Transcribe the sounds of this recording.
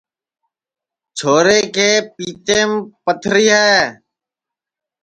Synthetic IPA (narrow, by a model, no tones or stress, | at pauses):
t͡ʃʰoːɾeːkʰeːpiːt̪eːmpət̪ʰɾiːɦaː